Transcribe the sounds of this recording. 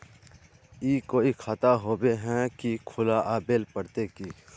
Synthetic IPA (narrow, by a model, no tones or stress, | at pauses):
iːkoːikʰat̪aɦoːbeɦɛ̃kikʰʊlaʔaːbeːlpəɽt̪ekiː